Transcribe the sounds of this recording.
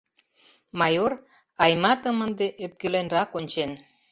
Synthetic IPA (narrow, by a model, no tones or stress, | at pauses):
mɑjor | ɑjmɑt̪ə̆mə̆nd̪eʔøp̚kølenrɑkonʲt͡ɕen